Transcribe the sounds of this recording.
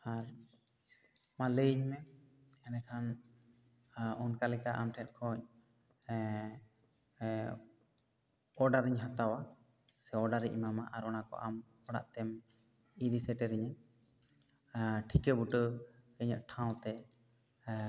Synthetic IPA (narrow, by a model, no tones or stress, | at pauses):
aɾ | maləiɲmɛ | ɛnɛkʰan | ɔnkalɛkaʔa̰mʈʰɛt̪̚ˀkʰɔ̃ɲ | ɔɖaɾiɲɦat̪awa | sɛɔɖaɾiʔmama̰ʔaɾɔnakɔ̰ʔam | ɔɽa̰ʔt̪ɛm | id̪isɛʈɛɾiɲa | ʈʰikəbuʈəəɲə̰ʔ̪̚ʈʰãw̃t̪ɛ